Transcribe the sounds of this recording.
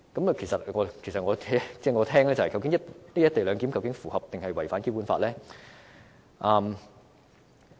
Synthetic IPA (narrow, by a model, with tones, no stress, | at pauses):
kɐ˨˥mkʰe˨˩sɐ˨t̚ŋɔː˨˧kʰe˨˩jsɐ˨t̚ŋɔː˨˧˥t͡sɛː˥˩ŋɔː˨˧t̪ʰɛː˥ŋlɛː˥t͡sɐ˨hɐ˨jkɐ˧wkɪ˨˥ŋjɐ˥tniː˥jɐ˥t̪e˨jlœː˨˧ŋki˨˥mkɐ˧wkɪ˨˥ŋfuː˨˩hɐ˨p̚t̪ɪ˨ŋhɐ˨jwɐ˨˩jfaː˨˥nke˥wpuː˧˥nfa̰ː˧t̚lɛː˥ | ʔɐː˧m